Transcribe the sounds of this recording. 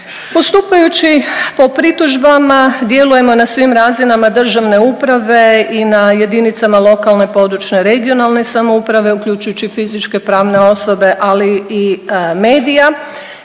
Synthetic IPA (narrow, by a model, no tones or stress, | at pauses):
po̞st̪uːpajut͡ɕipo̞pɾit̪uʒbamad̪je̞luje̞mo̞nasʋimɾaːzinamad̪r̩ʒaʋne̞upɾaʋe̞inaje̞d̪init̪samalˠo̞kalˠne̞po̞d̪ɾut͡ʃne̞ɾe̞ɡio̞nalˠne̞samoupɾaʋe̞ukʎʲujt͡ʃujut͡ɕifizit͡ʃke̞pɾaːʋne̞o̞so̞be̞ʔaliime̞ːd̪ija